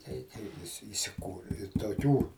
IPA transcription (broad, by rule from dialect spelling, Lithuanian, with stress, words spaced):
ˈtʲɛɪ kɐɪ ʋʲɪˈsʲɪ ɪsʲɪˈkuːrʲɪ ɪ toːˈkʲuː